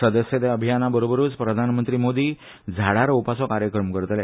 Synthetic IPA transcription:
səd̪əsjet̪eəbʱijanabəɾobəɾuːt͡spɾəd̪ʱanmənt̪ɾimod̪iː | d͡zʱaɽaɾupasɔkaɾjəkɾəmkəɾt̪lɛ

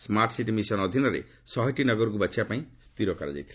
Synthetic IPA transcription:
smaɾʈsiʈmisɔnɔd̪ʱinɔɾḛ | sɔɦɔjʈinɔɡɔɾɔk̬ubat͡ʃʰiapaĩst̪iɾokaɾɔd͡ʒa̰jt̪ʰil

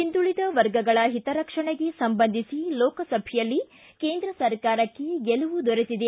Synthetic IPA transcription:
ind̪uɭid̪ɐʋɐɾɡɐɡɐɭɐɦit̪ɐɾɐkʂɐɳeɡe̞sɐmbɐnd̪ʱisilɔːkɐsɐbʱɛjɐlːi | ke̞ːnd̪ɾɐsɐɾkaːɾɐkːeɡɛlɐʋud̪ɔɾit̪id̪e

